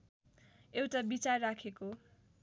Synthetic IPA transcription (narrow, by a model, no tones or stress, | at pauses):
ewʈabit͡sarːakʰeko